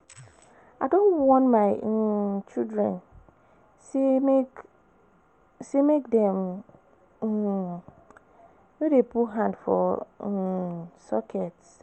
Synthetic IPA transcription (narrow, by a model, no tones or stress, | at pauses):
adõnwɔ̃nmaɪ | t͡ʃidɹɛ̰̃n | se | semekdɛ̃m | nedepuɦãndfɔ̰ | sɔkʰɛt